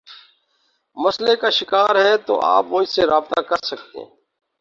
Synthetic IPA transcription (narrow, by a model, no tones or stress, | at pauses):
məslekaːʃɪkaːɾɦɛt̪o̰ːʔa̰ːpʋʊːiseɾaːb̚t̪akəɾsək̚t̪ḛ̃ː